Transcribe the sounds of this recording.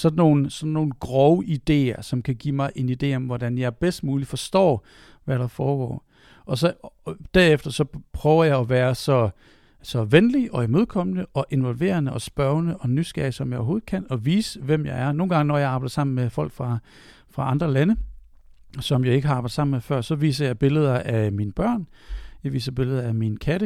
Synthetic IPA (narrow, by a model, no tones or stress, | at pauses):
sɒ̽dn̩ːo̝ːn̩sɒ̽nːo̝ːn̩ɡ̥ʁɒʊəʔid̥e̝̰ːɐsɒ̽mkʰæɡ̥ḭːmɑ̈ɪʔe̝nid̥e̝̰ːɒ̽mʋɒdænjɑ̈ɪb̥esd̥muːlifɒ̽sd̥ɒ̰ː | ʋæɾɑ̈fɒːɡ̥ɒ̰ː | ʔɒ̽s̬ɒ̽d̥æɐ̰efd̥ɐsɒ̽pʰʁœːʊɐjɑ̈ɪæʋæːɐsɒ̽ | sɒ̽ʋenliʔɒ̽imo̝ð̞ˠkʰɒ̽m̰nəʔɒ̽ʔe̝nʋɒ̽lʋe̝̰ːɐnəʔɒ̽sb̥ɶɐnəʔɒ̽nysɡ̥ɛ̰ːsɒ̽mjɑ̈o̰ɦo̝ːð̩ˠkʰæn̰ɒ̽ʋḭːsəʋem̰jɑɪæɐno̝ːn̩ɡɑ̈ŋənɒjɑ̈ɪɑ̈ːbɑɪd̥ɐsɑ̈m̰n̩mefɒ̽l̰ɡ̥fʁɑ̈ | fʁɑ̈ɑ̈nd̥ʁɐlænə | sɒ̽mjɑ̈ɪe̝ɡ̥əɦɑɑ̈bɑ̈ɪd̥ˠsɑ̈m̰nmefɶɐ̰sɒ̽ʋḭːs̬ɐjɑ̈ɪb̥e̝ləð̞ˠɐʔæminəb̥ɶɐ̰n | jɑʋḭːsɐb̥e̝ləð̞ˠɐæminəkʰæɾə